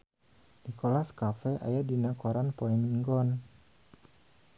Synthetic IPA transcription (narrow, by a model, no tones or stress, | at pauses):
nikolaskafɛʔa̰jadinakoɾanpoɛmiŋɡɔn